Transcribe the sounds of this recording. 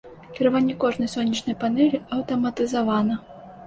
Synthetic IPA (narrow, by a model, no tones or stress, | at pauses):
kʲiɾavanʲːɛkɔʐnɐjsɔnʲːɐt͡ʂnɐjpanɛlʲiɐwt̪ɐmɐt̪ɨzavanɐ